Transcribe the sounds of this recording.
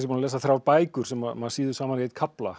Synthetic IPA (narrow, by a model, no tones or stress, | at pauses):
simunlɛːsaθɾaːwɾpaːjkʏɾ̥sɛmːamaðsiːðʏsaːmankeːjt̪̚kʰapla̰